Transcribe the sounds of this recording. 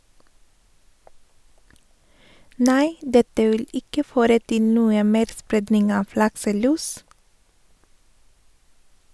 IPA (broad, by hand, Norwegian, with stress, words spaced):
ˈnæɪ ˈdɛtə ˈʋɪl ˈɪkə ˈføːɾə ˈtɪ ˈnuːə ˈmeːɾ ˈspɾeːdnɪŋ ˈɑːʋ ˈlɑksəˌlʉːs